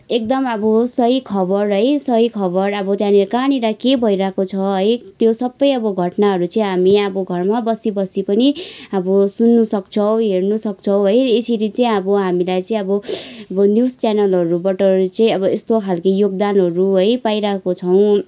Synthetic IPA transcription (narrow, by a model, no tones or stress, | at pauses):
ek̚d̪ʌmʌbʌsʌikʰʌbʌrɦʌjsʌɦikʰʌbʌrʌbʌt̪jãnekañiɾakebʱʌiɾakot͡sʰʌɦʌjt̪josʌbːʌjʌbʌɡʱʌʈnaɦʌɾut͡sʌĩɦamiʌbʌɡʱʌrmabʌsibʌsipʌniʌbʌsunːusʌk̚t͡sʰʌwɦernusʌk̚t͡sʰʌwɦʌjesiɾit͡sʌ̃ĩʌbʌɦamilajt͡sʌĩʌbʌʌbʌnjust͡sanʌlɦʌɾubʌʈʌrit͡sʌĩʌbʌest̪okʰalkʌjoɡ̚d̪anɦʌɾuɦʌjpaiɾaekot͡sʰʌw̃